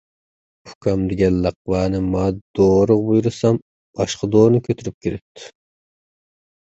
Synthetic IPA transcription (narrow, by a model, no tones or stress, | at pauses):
u̥kʲʰɑmd̪ɪɡʲɛnlɑq̚wɑːnɨmɑd̪̥oɾʊʁbujuɾɨsɑm | bɑʃqɑd̪oːɾnɨkʲʰøt̪ʰyɾyp̚kʲʰiɾɪp̚t̪ʰɪ̥